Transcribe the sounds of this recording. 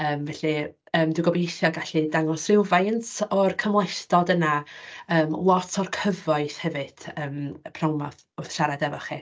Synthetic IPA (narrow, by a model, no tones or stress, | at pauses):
əːmvɛɬi | əːmdɪwɡɔbejθjɔɡaɬidaŋɔsrɪwvajəntʰɔrkʰəmlˠɛθtɔdənaəːmlˠɔtʰɔrkʰəvɔɨθhɛvɨd̥əːməpʰrɔwmɔð | ʊθʃaɾadɛvɔχi